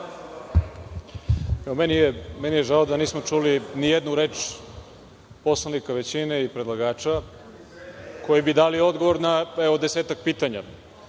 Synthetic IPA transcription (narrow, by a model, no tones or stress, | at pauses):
ɛomenijemenijeʒaod̪aniːsmot͡ʃulinijed̪nuɾe̞ːt͡ʃ | po̞slˠanikaʋet͡ɕine̞ipɾed̪lˠaɡaːt͡ʃa | kʰo̞jibid̪aːlio̞d̪ɡoʋo̞ɾnaɛʋo̞d̪e̞seːt̪ak̚piːt̪aɲa̰